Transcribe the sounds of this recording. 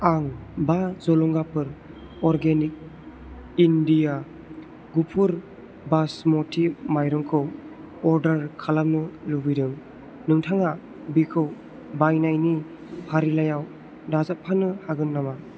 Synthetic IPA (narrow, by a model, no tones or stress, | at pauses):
aŋbazɔlɔŋɡapʰɯɾ | ɔɾɡenik̚ | indija | ɡupʰuɾ | basmɔtʰimajɾɔŋkʰɯw | ɔɾdaɾkʰalam̚nɯlubidɯŋ | nɯŋtʰaŋa | bikʰɯw | bajnajni | pʰaɾilajaw | dazap̚pʰanɯhaɡɯnːama